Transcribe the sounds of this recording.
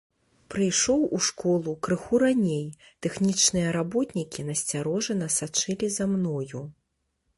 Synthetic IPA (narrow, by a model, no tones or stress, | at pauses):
pɾɨjʂɔwuʂkɔlˠukɾɨxuɾanʲej | t̪ɛxnʲit͡ʂnɨjɐɾabɔt̪nʲikʲinɐsʲt͡sʲaɾɔʐɨnɐsat͡ʂɨlʲizamnɔju